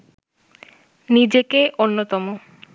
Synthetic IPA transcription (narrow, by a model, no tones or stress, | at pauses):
nid͡ʑekeʔonːot̪ɔmo